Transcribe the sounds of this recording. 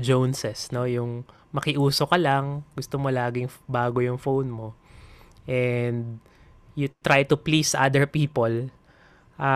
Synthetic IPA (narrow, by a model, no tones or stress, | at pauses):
d͡ʒownsɛsno̞jʊŋ | mɐkɪʔuːso̞kɐlaŋɡʊst̪omolaːɡɪŋbaːɡo̞jʊŋfownmo̞ | ʔɛnd̪̚ | jʊt̪ɾajt̪ʊplisʔa̰d̪ɛɹpiːpol | ʔa